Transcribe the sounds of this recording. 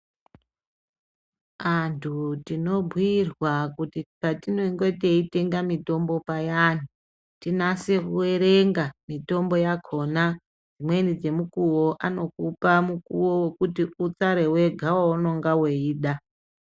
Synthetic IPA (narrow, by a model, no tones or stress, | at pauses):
antʰutino̞bʱwirwakutikatinoŋɡete̞ite̞ŋɡamito̞mbo̞pajan̤u | tinase̞kuwe̞ɾe̞ŋɡamito̞mbo̞jakʰo̞na | d͡zimwe̞nid͡ze̞mukuwo̞ʔano̞kupamukuwowe̞kutiut͡saɾe̞we̞ɡʱawauno̞ŋɡaweiːɗa